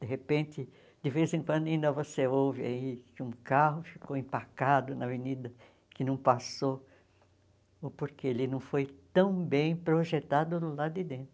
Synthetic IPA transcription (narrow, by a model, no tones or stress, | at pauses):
d̪̥eɦepẽnt̪ɪ | d̪̥ɪvezẽŋkwɐ̃d̪ʊaĩnd̪ɐvoseowvɪa̰ikũkaɦʊfi̥koĩmpakad̪ʊnɐvenid̪ɐ | kɪnɐ̃w̃paso | ʊpoɾkeelɪnɐ̃w̃fojt̪ɐ̃w̃bẽj̃pɾoʒet̪ad̪ʊlad̪ɪd̪ẽnt̪ɾʊ